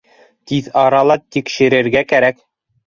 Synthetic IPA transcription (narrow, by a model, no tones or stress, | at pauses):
t̪iðɑɾɑlˠɑt̪ikʃɘ̆ɾɘ̆ɾɡækæɾæk